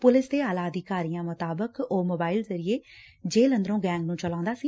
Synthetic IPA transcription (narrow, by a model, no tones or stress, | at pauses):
pʊlɪsd̪eːaːlaːəd̪ikaːɾijãːmʊt̪aːbəkoːmoːbaːɪlzəɾieː | d͡ʒeːlənd̪əɾõːɡɛ̃ːŋɡnũːt͡ʃəlãːʊ̃nd̪aːsiː